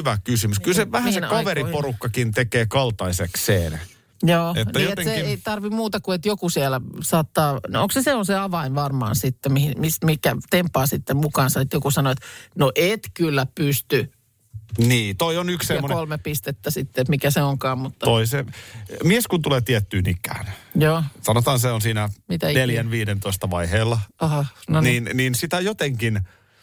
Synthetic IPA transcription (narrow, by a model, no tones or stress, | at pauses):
yʋækysymyskylseʋæhæssenkɑʋeɾiporukːɑkint̪ekeːkɑlt̪ɑisekseːn | joːenːæiːoet̪eŋseeit̪ɑrʋimmuːt̪ɑkuet̪jokusielæsɑːt̪ːɑːno̰ŋkseseonseɑʋɑinʋɑrmɑ̰ːnsit̪ːemihimismikæt̪empːɑːsit̪ːemmukɑːnsɑet̪jokusɑnoet̪noʔet̪kylːæpyst̪y | niːt̪oionyksseɑːoknolmepist̪et̪ːæsit̪ːeet̪mikæseoŋkɑːmmut̪ːɑtoisemieskunt̪uleːt̪iɛt̪ːyːnikːˑæ̰ːnjoːsɑnot̪ɑːnseonsiːnæmit̪æneljænʋiːdent̪oist̪ɑʋɑiheːlːɑɑhɑnoniːnniːnsit̪æjot̪eŋkin